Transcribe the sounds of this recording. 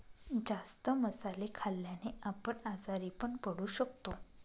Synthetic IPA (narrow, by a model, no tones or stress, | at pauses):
d͡zast̪əməsalekʰaljaneapəɳad͡zaɾiːpəɳpəɽuːɕək̚t̪o